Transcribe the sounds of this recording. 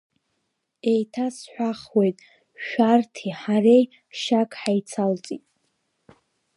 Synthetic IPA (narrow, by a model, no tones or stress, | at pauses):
e̞jtʰasħʷaχwejtʼ | ʃᶣartʰiħaɾej | ʃakʼħajt͡sʰalt͡sʼitʼ